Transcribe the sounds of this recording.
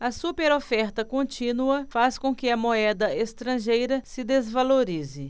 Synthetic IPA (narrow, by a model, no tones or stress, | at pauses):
ɐsupeɾofɛɾt̪ɐkõt͡ʃĩnuɐfaskõkɪɐmoɛd̪ɐest̪ɾɐ̃ʒejɾɐsɪd̪ezvaloɾizɪ